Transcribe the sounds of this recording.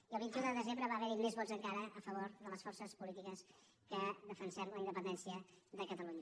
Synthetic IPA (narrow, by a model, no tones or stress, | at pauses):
iəlˠβint̪iuðəðəzembɾəβaːβɛɾimezβɔdzəŋkaɾəəfəβ̞oɾðələsfɔrsəspulit̪ikəs | kəðəfənsɛmləind̪əpənd̪ɛnsiəðəkət̪əluɲə